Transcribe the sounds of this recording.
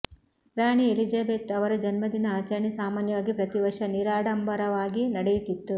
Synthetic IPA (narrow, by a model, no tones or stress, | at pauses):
ɾaːɳielid͡ʒɐbeːt̪ɐʋɐɾɐd͡ʒɐnmɐd̪inɐaːt͡ʃɐɾɳisaːmaːnjɐʋaːɡipɾɐt̪iʋɐɾʂɐniɾaːɽɐmbʱɐɾɐʋaːɡinɐɽejut̪it̪ːu